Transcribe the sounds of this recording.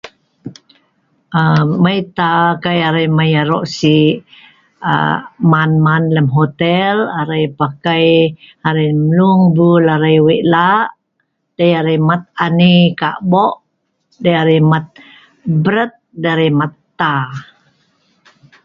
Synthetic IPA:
əməjt̪akajaɾəjmajaɾɔʔsi | a̰manmanləmɦot̪ɛlaɾəjpakaj | aɾajmluŋbulaɾajwiʔlaʔ | d̥ajaɾəjmat̪̚anika̰ʔbɔʔ | dajaɾəjmat̪̚ | bəɾət̪̚daɾəmat̪ːa

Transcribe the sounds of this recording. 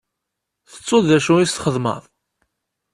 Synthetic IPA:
θə̥t͡sˤːoðæʃuist̪χəðˤmə̰ðˤ

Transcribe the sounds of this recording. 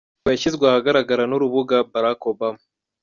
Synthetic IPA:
aaçizɡweaahaɡaɾaɡaɾanuɾuβuɡabaɾako̞bama

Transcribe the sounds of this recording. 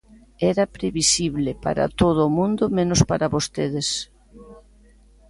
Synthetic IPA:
ɛɾɐpɾeβisiβlɪpa̰ɾa̰t̪oð̞ʊːmũnd̪omenospaɾaβost̪eðes

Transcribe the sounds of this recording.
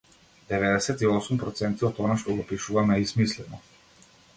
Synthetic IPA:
d̪ɛvɛd̪ɛsɛt̪iɔsumpɾɔt̪sɛnt̪iɔt̪ɔnaʃt̪ɔɡɔpiʃuvamɛismislɛnɔ

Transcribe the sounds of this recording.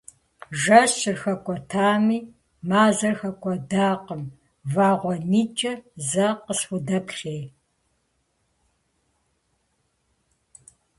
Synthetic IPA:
ʒɐɕɪrxɐkʷʼɔtʰaːmiː | maːzɐrxɐkʷʼɔdaːqəm | vaːʁʷɔniːt͡ʃʼɐzɐqəsxʷdɐpɬeːj

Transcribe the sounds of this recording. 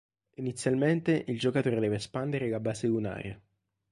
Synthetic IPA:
init̪sːjalment̪eʔild͡ʒokat̪oːɾed̪ɛːvespand̪eɾelabaːseuna̰ːɾja

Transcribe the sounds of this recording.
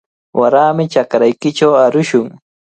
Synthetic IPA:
wʔaɾaːmɪt͡ʃakɾajkɪt͡ʃawaɾʊʃʊŋ

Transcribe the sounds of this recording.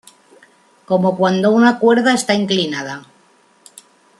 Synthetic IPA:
ko̞mo̞kwand̪o̞unakwe̞ɾð̞aest̪aiŋklinað̞a

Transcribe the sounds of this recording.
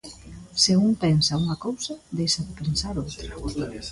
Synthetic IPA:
sɪuŋpɛnsauŋɐkowsɐðejʃɐðɪpensaɾʊ

